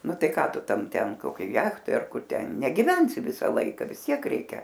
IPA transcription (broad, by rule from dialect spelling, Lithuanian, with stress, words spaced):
ˈnʊ ˈtɐɪ ˈkɑː ˈtʊ ˈtɐm ˈtʲɛn koːˈkʲoːj ˈjæːxtoːj ɐr ˈkʊr ˈtʲɛn nʲɛɡʲɪˈʋʲɛnʲsʲɪ ˈʋʲɪsɐ ˈlˠɐɪkɐ ʋʲɪs ˈtʲiɛk ˈrʲɛɪkʲɛ